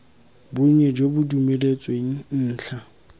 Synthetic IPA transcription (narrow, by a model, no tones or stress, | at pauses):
bʊɲɛd͡ʒobʊdumelet͡sʼweŋ̩n̩ːt͡ɬʰa